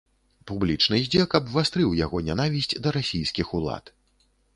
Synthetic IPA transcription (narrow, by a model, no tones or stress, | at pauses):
publʲit͡ʂnɨd͡zʲɛkɐbvast̪ɾɨwjaɣɔnʲanavʲisʲt͡sʲd̪ɐɾasʲijskʲixulˠa̰t̪